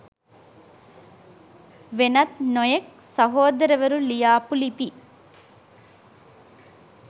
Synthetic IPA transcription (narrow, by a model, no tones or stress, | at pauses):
ʋenɐt̪nɔjeksɐɦoːd̪ɐɾɐʋɐɾulijaːpulipi